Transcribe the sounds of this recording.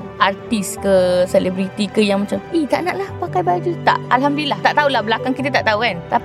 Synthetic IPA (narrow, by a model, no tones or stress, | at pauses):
ʔart̪iskəselebɾit̪ikəjaŋmãt͡ʃamit̪aʔnaʔnahpakajbaad͡ʒ̪ut̪a̰ʔalɦamdlaht̪aʔt̪aulahbəlakaŋkit̪at̪aʔt̪aukant̪ap